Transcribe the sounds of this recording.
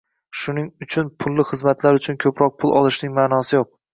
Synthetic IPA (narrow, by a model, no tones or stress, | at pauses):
ʃʊnɪŋʊt͡ʃʰʊnpʰʊlˠːɪχɨzmat̪ʰlaɾʊt͡ʃʰʊnkʲʰɵpʰɾɒq̚pʰʊlˠɒ̰lˠɪʃnɪŋmaːnɒsɪjoq̚